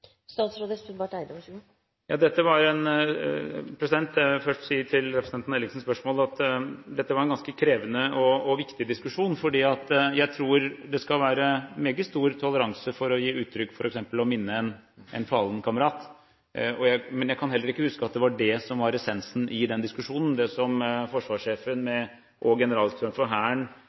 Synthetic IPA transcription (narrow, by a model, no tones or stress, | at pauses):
st̪ɑːt̪sɾoːd̪əsʉd̪ʋɑʈæɪd̪ɔ | jɑ̰ːd̪ɛt̪ːəʋɑɾɛn | pʰɾɛsɪd̪ɛnt̪ɛfœʂʈsiːəʈʰɪlɾɛpɾəsət̪ɛnnɛlɪŋsn̩spœʂmoːlɑt̪d̪ɛt̪ːəʋɑɾɛnɡɑnskəkʰɾeːʋənəɔɔʋɪkt̪ɪd̪ɪskʉʂuːnfɔɖiːɑt̪jæɪt̪ʰɾuːɾd̪ɛskɑlʋæːɾəmeːɡəst̪uːɾt̪ʰɔləɾɑŋsəfɔɾɔjiːʉːt̪ʰːɾʏkːfɔɾʔɛksɛmpəlɔmɪnːəɛn | ɛnfɑlnkʰɑməɾɑːt̪ | ɔjæɪmɛnjæɪkʰɑnhɛlːəɾɪkːəhʉskəɑt̪̚d̪ɛʋɑɖɛsɔmʋɑɾɛsɛnsn̩ʔɪd̪ɛnd̪ɪskʉʂuːnən̩d̪ɛsɔmfɔʂʋɑːʂeːfənmɛ | ʔɔɡɛnəɾɑːlsɾt̪ɾɑnfɔɦæːɳ